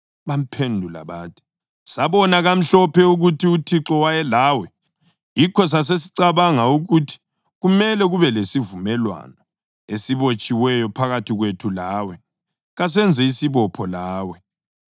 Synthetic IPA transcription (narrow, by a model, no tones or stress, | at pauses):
βam̩pʰendʱula̰βaːtʰi̥ | saβɔnaɣam̩ɬɔpʰɛuɣutʰiutʰiǁɔwajɛlaːwɛ | jikʰɔs̬as̬esi̥ǀaβaŋauɣutʰi̥ | ɣumɛlɛɣuβɛlesivumɛlwa̰nɔ | esiβot͡ʃʼiwɛjɔpʰaɣatʰiɣwetʰulaːwɛ | ɣas̬ɛnd͡zʱɛisiβɔpʰɔlaːwɛ